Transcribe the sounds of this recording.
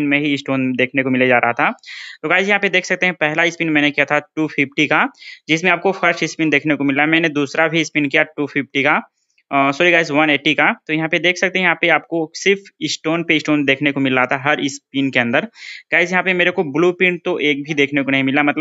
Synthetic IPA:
nmẽɦiɪsʈoːnd̪eːkʰnekomɪlad͡ʒaːɾaɦat̪ʰat̪oɡaːɪzjɐɦãped̪eːkʰsɐk̚t̪eɦɛ̃pɛɦlaɪspiːnmɛ̃ːnekijat̪ʰaʈuːpʰɪpʈikad͡ʒɪsmẽaːp̚kofʰɐɾʃɪspiːnd̪eːkʰnekomɪlamɛ̃ːned̪uːsɾabʱiɪspiːnkijaʈuːpʰɪfʈika | soːɾiɡaːɪzʋɐneːʈikat̪ojɐɦãped̪eːkʰsɐk̚t̪eɦɛ̃jɐɦãpeaːp̚kosɪɾfɪsʈoːnpeɪsʈoːnd̪eːkʰnekomɪlːat̪ʰaɦɐɾɪspiːnkeɐ̃nd̪əɾɡ̥aːɪzjɐɦãpemeːɾekobluːpɪ̃ːɳʈt̪oʔeːk̚bʱid̪eːkʰnekonɐɦĩmɪlamɐt̪ləb

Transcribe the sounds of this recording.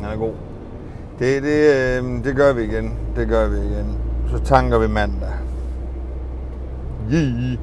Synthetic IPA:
æɡ̥o̝̰ː | d̥ed̥ed̥e̝ɡɶɐʋiːɡ̥end̥eɡɶɐʋiiɡ̥ensɒt͡sʰɑ̈ŋɡ̥ɐʋimænd̥æ | ji

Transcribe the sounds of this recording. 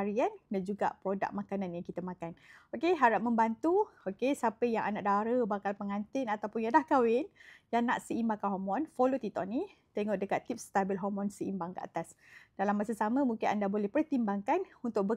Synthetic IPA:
aɾiandand͡ʒuɡa̰pɾoda̰k̚makananjaŋkit̪əmakanokeɦaɾap̚məmbant̪uokesapəjaŋa̰naʔdaɾəbakalpəŋant̪ɪnat̪awpʊnjadlahkawɪnjanaʔsəimbaŋkanɦomɔnfolot̪it̪ɔ̰ʔnit̪eŋɔʔdəkat̪ːip̚st̪abɪlɦɔmɔ̃nsəimbaŋkəa̰t̪as | d̥alamːasasamə̃muŋkɪnʔa̰ndabolɛhpərt̪imbaŋkanunt̪ʊk̚bə

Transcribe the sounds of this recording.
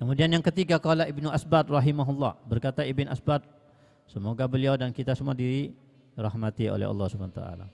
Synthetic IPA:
kəmudianjaŋkət̪iɡakɔlaibnuʔasbat̪̚rɑɦimaɦulːɑ̰hbərkat̪aibɪnʔa̰sbat̪̚ | səmoɡabəliawdankit̪asəmuadiɾi | rɑhmat̪io̰lɛ̰ɑ̰lːɑhsubanat̪a̰ʔa̰la̰

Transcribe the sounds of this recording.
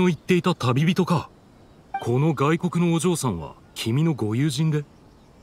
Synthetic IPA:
o̞it̪ːe̞it̪at̪abʲibʲit̪o̞ka | kʰo̞no̞ɡaiko̞kɯ̟no̞ːʑo̞ːsãɰ̃βa̰ | kʲʰimʲino̞ɡo̞jɯːʑĩnd̪e̞

